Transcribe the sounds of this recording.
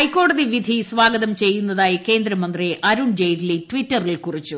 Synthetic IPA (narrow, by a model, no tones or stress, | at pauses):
ɐjkːo̞ːɽɐðiʋid̪ʱisʋaːɡɐðɐmt͡ɕe̞jːunːɐðaːjike̞ːnd̪ɾɐmɐnd̪riʔɐɾuɳd͡ʑejɾilitʋitːɐrilkurit͡ɕːu